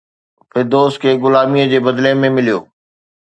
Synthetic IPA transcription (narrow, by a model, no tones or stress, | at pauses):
fɪɾd̪oːskʰeːɡʊlaːmiːəd͡ʑeːbɐd̪lemẽmɪlijo̰ː